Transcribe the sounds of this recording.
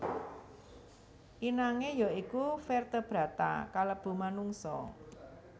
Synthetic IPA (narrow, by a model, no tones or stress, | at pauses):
ʔinaŋejɔikufɛrt̪əb̥ɾä̤t̪a̰kaləb̥ṳmanuŋsɔ̰